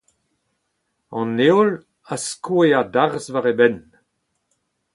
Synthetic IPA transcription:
ɑ̃neol | askueadaʁzvaʁebɛn

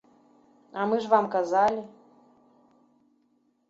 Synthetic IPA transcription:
amɨʐvamkazɑlʲi

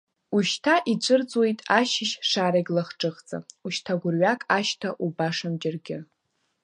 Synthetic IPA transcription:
uʃtʰaʔit͡ʃʷʼɨrt͡sʼwe̞jtʼaʃɪʃʂaːɾaɡʲlaχʈ͡ʂʼɨχt͡sʼa̰uʃtʰaɡʷʊrɥakʼaʃtʰaʔubaʂamd͡ʒɪrɡʲɪ

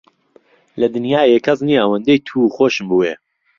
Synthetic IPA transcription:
lɐd̪ɨnjaːjekʰɐzniːaːwɐnd̪ejt̪ʰuːxoːʃɨmbuːe

